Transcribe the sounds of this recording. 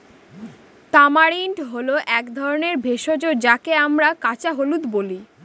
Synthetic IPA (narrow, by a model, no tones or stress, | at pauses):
t̪amaɾiɳʈɦoloʔɛkd̪ʱɔɾoneɾbʱeʃod͡ʑoɾd͡ʑakeamɾakat͡ɕaɦolut̪boli